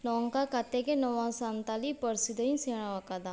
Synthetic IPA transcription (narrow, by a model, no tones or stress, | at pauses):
nɔːŋkaːkat̪ːekenəʋãːsant̪aliːpəɾsid̪əĩseːɽ̃ãakad̪aː